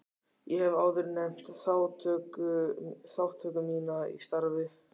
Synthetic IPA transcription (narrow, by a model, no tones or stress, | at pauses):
jɛhɛvaːwðʏɾnɛm̥t̪θaːwt̪ʰœkʏθawht̪ʰœːkʏmiːnaḭst̪aɾvɪ